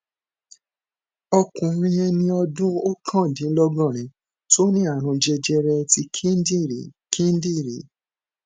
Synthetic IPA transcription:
ɔ˧kũ˨˦ɾ̃ĩ˧ɛ̃˧nĩ˧ɔ˧dũ˦o˦kʰã˦˨dĩ˨˦lɔ˦ɡã˦˨ɾ̃ɛ̃˨˦ | to˦nĩ˦a˦˨ɾ̃ũ˧d͡ʒɛ˧d͡ʒɛ˧ɾɛ˧ti˧kʰĩ˦di˦˨ɾ | kĩ˦di˦˨ɾe˨˦

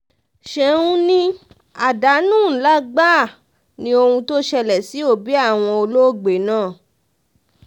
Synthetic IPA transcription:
ʃɛ˧ũ˦nĩ˦ | a˦˨da˨˦nũː˦˨˦la˦ɡ͡baː˦˨ | nĩ˦o˧hũ˧to˦ʃɛ˧lɛ˨si˨˦o˦˨bi˨˦a˦˨w̃ɔ̃˧o˧lo˦˨ɡ͡be˨nãː˦˨

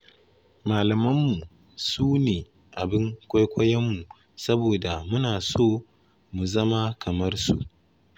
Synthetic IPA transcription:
maː˨lɐ˨mɐ˦mːu˨ | suː˦neː˨ | ʔa˨bɪ˦ŋkʷa˦jkʷɐ˦jɐ˦mːu˨ | sɐ˦boː˨da˨mʊ˦naː˨soː˦˨ | mu˨zɐ˦ma˦kʰɐ˨mɐ˦rsṵ˨ʔ

